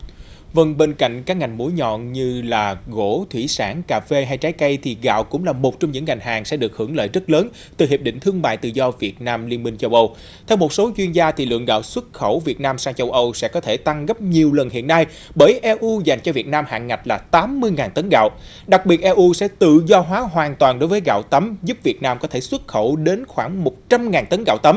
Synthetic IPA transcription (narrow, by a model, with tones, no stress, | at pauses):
və˧ŋɓe˧nka̰˧˨jŋ̟kaː˦˥k̚ŋa˨˩jŋ̟mu˧˦əjɲɔ̰˧˨nɲɨ˧laː˨˩ɣo̰˧˥t̪ʰwi˧˩saː˧˩ŋkaː˧˩ve˧ɦa˧jt͡ɕaː˨˦jkə˧jt̪ʰi˨˩ɣa̰ː˧˨wkʊ̰˧˥ŋ͡mlaː˨˩mo˨˩t̚t͡ɕɔ˧ŋ͡mɲɨ̰˧˥ŋːa˨˩jŋ̟ɦaː˨˩ŋsɛ̰˧˥ɗɨ˨˩ək̚hɨ˧˩əŋlə̰ː˧˨jzə˦˥t̚ləː˨˦n | t̪ɨ˨˩ɦi˨˩p̚ɗḭ̈˧˨ŋ̟t̪ʰɨ˧əŋma̰ː˧˨jt̪ɨ̰˧˨zɔ˧vi˨˩ət̚naː˧mli˧ənmï˧ŋ̟t͡ɕə˧wʔə˧w | t̪ʰɛ˧wmo˨˩t̚so˨˦t͡ɕwi˧ənzaː˧t̪ʰi˨˩lɨ̰˧˨əŋɣa̰ː˧˨wswə˦˥t̚xə˧˩wvi˨˩ət̚naː˧msaː˧ŋt͡ɕə˧wʔə˧wsɛ̰˧˥kɔ˨˦t̪ʰe˧˩t̪a˧ŋɣə˦˥p̚ɲi˨˩əwlə˨˩nhḭ˧˨ənːa˧j | ɓəː˧˩jʔɛ˧ʔu˧za˨˩jŋ̟t͡ɕɔ˧vi˨˩ət̚naː˧mha̰ː˧˨ŋŋːa˨˩t̟̚laː˨˩t̪aː˨˦mːɨ˧əjŋaː˨˩t̪ə˨˦nɣa̰ː˧˨w | ɗa˨˩k̚ɓi˨˩ət̚ʔɛ˧ʔu˧sɛ̰˧˥t̪ɨ̰˧˨zɔ˧ɦwaː˨˦ɦwaː˨˩nt̪waː˨˩nɗo˨˦jvəː˨˦jɣa̰ː˧˨wt̪ə˨˦mzu˦˥p̚vi˨˩ət̚naː˧mkɔ˨˦t̪ʰe˧˩swə˦˥t̚xə˧˩wɗe˨˦nxwaː˧˩ŋmo˨˩t̚t͡ɕa˧mŋaː˨˩nt̪ə˨˦nɣa̰ː˧˨wt̪ə˨˦m